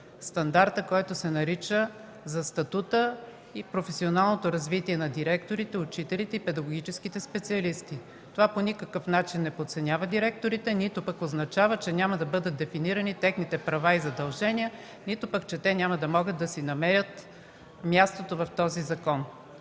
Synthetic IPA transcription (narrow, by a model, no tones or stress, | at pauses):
st̪ɐnd̪aɾt̪əkɔjt̪osɛnɐɾit͡ʃə | zɐst̪ɐt̪ut̪ə | ipɾofɛsionalˠnot̪oɾɐzvit̪iɛnɐd̪iɾɛkt̪oɾit̪ɛʊt͡ʃit̪ɛlit̪ɛipɛd̪ɐɡoɡ̟it͡ʃɛsk̟it̪ɛspɛt̪siɐlist̪i | t̪ovaponʲikɐkɤfnat͡ʃinːɛpot̪sɛnʲavəd̪iɾɛk̚t̪oɾit̪ɛnit̪opɐkoznɐt͡ʃavət͡ʃɛnʲamɐd̪ɐbɤd̪ət̪̚d̪ɛfiniɾɐnit̪ɛxnit̪ɛpɾɐvaizɐd̪ɐlˠʒɛniə | nit̪opəkt͡ʃɛt̪ɛnʲaməd̪ɐmɔɡəd̪̚d̪ɐsinɐmɛɾʲət̪ | mʲjast̪ot̪ovɐft̪ɔzizɐkɔn